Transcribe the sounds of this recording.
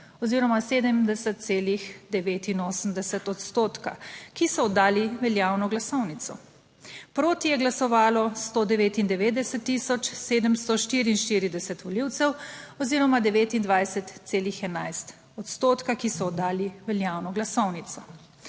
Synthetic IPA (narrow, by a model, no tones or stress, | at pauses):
ɔziːɾɔmaseːd̪əmd̪ɛsɛt̪̚seːlixd̪ɛʋeːt̪inoːsəmd̪ɛsɛt̪ɔt̪st̪oːt̪ka̰kisɔːd̪ːaːliʋɛljaːwnɔɡlasɔwnit̪sɔ | pɾoːt̪ijɛɡlasɔʋaːlɔst̪od̪ɛʋeːt̪ind̪ɛʋeːd̪ɛsɛt̪ːisɔt͡ʃseːd̪əmst̪ɔʃt̪iːɾiːnʃt̪iɾid̪ɛsɛt̪ʋɔliːwt̪sɛwɔziːɾɔmad̪ɛʋeːt̪ind̪ʋajsɛt̪seːlixɛnajst̪ | ɔt̪st̪oːt̪kakisɔːd̪ːaːliʋɛljaːwnɔɡlasɔwnit̪sɔ